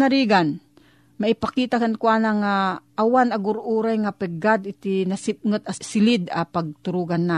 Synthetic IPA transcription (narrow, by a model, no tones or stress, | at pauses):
aɾiːɡan | maʔɪpakiːt̪akankuanaŋaʔːwanɐɡʊɾʔuːɾajŋapɛɡad̪ɪt̪ɪnasɪp̚ŋət̪̚asɪlɪd̪apaɡ̚t̪ʊɾuːɡanːa